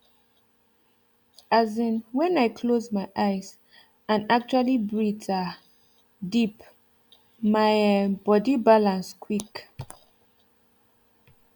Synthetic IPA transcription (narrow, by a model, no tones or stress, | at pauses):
azĩnwɛ̃naɪkʰlozmaɪʔaɪz | ãnak̚t͡ʃualibɹita | dip | maɪbɔdibalãnskʰwik